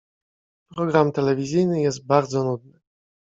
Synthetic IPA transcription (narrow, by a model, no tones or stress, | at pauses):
pɾɔɡɾamt̪ɛlɛvʲizʲjɘjnɘjɛst̪̚baɾd̪zɔnud̪̚nɘ